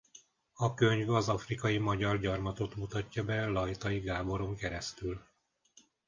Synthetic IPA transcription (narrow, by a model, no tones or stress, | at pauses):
ɒkø̞ɲvɒzɒfrikɒjimɒɟɒrɟɒrmɒt̪o̞t̪mut̪ɒcːɒbɛlɒjt̪ɒjiɡaːbo̞ɾo̞ŋkɛɾɛst̪yl